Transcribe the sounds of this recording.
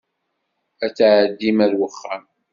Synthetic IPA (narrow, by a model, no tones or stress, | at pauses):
æt͡sːaʕəd̪ːimæɾwəχːæm